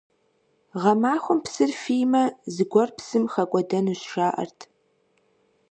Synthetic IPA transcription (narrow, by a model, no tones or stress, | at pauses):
ʁɐmaːχʷʊmpsɨrfijmɐzɨɡʷɔrpsɨmχɐkʷʼɔdɐnuɕʂaːʔɐ̰rtʰ